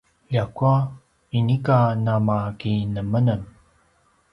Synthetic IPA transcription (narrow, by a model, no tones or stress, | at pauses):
jakua | inikanamakinəmənəm